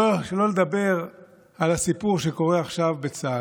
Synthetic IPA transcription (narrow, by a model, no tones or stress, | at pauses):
ʃelo̞led̪abe̞ʁ | alasipuʁʃeko̞ʁeaχʃavbet͡sa